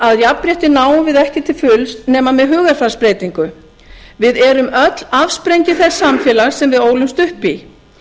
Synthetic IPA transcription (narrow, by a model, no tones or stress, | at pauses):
aðjappɾjɛht̪ɪnaːwvɪðɛhcɪt̪ʰɪlfʏlst̪nɛːmamɛðɦʏːɣaɾ̥fɾḁspɾeːjt̪iŋkʏ | vɪðɛɾʏmœt̪l̥afspɾejɲcɪθɛsːamfjɛːlaɣ̥sɛmvɪðoːwlʏmst̪ʏhpi